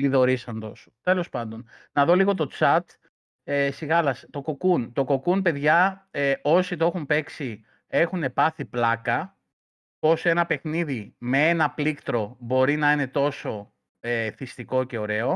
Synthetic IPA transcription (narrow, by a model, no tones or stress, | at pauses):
liðo̞ɾisɐnd̪o̞su̥t̪e̞lo̞spɐnd̪o̞nnɐðo̞liɣo̞t̪̬o̞t͡sɐt̪ | esiɣɐlɐst̪o̞ko̞kunt̪o̞ko̞kunpe̞ðʝɐeo̞sit̪oe̞xumpe̞ksi | e̞xune̞pɐθiplɐkɐ | po̞se̞nɐpe̞xniðime̞e̞nɐplikt̪ɾo̞bo̞ɾinɐinet̪o̞so̞ | eθist̪iko̞ce̞o̞ɾe̞o̞